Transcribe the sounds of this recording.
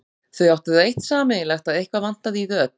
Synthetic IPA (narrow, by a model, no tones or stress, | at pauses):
θœɥawt̪ɪðejht̪saːmɪlɛxt̪aðejhkvavan̥t̪aðiðœːt̚